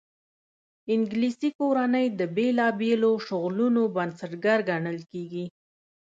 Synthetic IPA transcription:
ɪŋɡlisikoɾanəjd̪əbelɑbeloʃʊɣlunobansəʈɡaɾɡaɳəlkeɡi

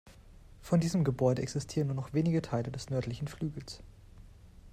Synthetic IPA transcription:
fɔndiːzəmɡəbɔʏdəɛksɪstʰiːʁənːuːɐnɔχv̥eːnɪɡətʰaɪlədɛsnœɐtlɪçn̩flyːɡl̩s

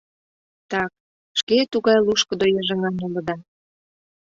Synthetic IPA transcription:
t̪ɑk̚ | ʃket̪uɣɑjluʃkə̆d̪ojɑʒə̆ŋɑnulə̆d̪ɑ

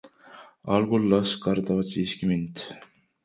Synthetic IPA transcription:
ɑlɡulːɑskɑɾt̪ɑvɑt̪siːskimint̪

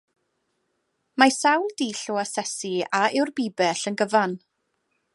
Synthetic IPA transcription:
masawlˠdiːɬuasɛsiaɪwrbiːbɛɬənɡəvan

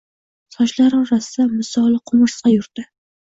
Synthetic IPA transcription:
sɒʃlaɾɪŋɾasamɪsɒlˠqʰʊmʊʃsqɑjʊɾd̪ɪ

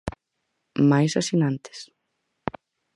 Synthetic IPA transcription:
majsasinant̪ɪ̥s

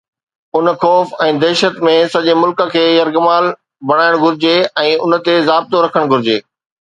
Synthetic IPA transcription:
ʊnxɔːfɛ̃ːd̪ɛːʃət̪mẽsɐʄemʊlkə̆kʰeːjɐɾɡəmaːl | bɐɽ̃aːɪɽ̃ɡʱʊɾɪd͡ʑeɛ̃ːʊn̆t̪ezaːb̚t̪oɾɐkʰəɽ̃ɡʱʊɾɪd͡ʑḛː

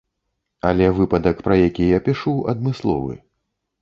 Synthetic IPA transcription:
ɐlʲɛvɨpɐd̪ɐkpɾɐjakʲijapʲiʂuɐ̰d̪mɨslˠɔ̰vɨ̰

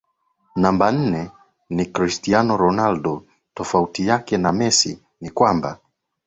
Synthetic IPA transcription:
namban̩nɛ | nikɾistianɔɾɔnaldɔ | tɔfautijakɛnamɛsḭ | nikwamba̰

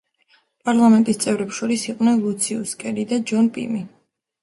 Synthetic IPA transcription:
pʼaɾlˠamɛnt̪ʼist̪sʼɛvɾɛpʃɔɾisiqʼnɛnlˠut̪sʰiuskʼɛɾid̪ad͡ʒɔnpʼḭmi

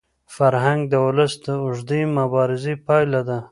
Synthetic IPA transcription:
faɾɦaŋɡ̚d̪əwʊləsd̪əʊʐd̪imabɑɾɪzipɑjlad̪a

